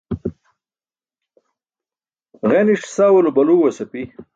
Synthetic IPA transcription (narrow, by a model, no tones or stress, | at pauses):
ʁeniʂsaːwulubɐluːwɐsɐpi